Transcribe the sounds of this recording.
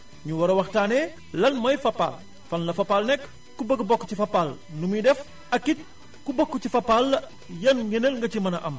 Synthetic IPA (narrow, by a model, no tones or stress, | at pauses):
ɲuwɐɾɐwɐxtaːnɛ | lɐnmɐjfɐpːa̰l | fɐnlɐfɐpːalnɛkː | ubəɡbɔkːcifɐpːalnumidɛf | ɐkːit̚ | kubɔkːucifɐpːal | jɐnɡenəlŋɡɐcimɐnɐʔɐm